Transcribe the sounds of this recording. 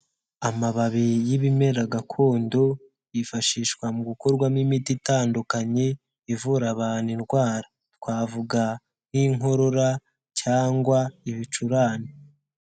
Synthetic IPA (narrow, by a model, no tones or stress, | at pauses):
amaβaβijiβime̞ɾaɡakʰo̞ːndo̞ | jifaʃiːʃkwamuɡuko̞ɾɡwamimititaːndukaɲe | ivuɾaβaːniɾɡwaːɾḁ | tkwaːvuɡa | n̥iŋo̞ɾo̞ɾa | caːŋɡwaiβit͡ʃuɾaːni